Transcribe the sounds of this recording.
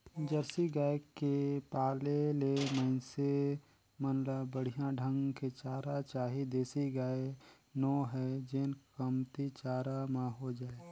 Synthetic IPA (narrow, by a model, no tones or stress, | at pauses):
d͡ʒəɾsiɡaːekepaːleleməɪnse | mənləbəɽ̤ijãɖʱə̃ŋɡket͡ʃaːɾat͡ʃaːɦid̪eːsiɡaːe | nɔːɦɛd͡ʒenkəmt̪it͡ʃaːɾamãɦod͡ʒaːe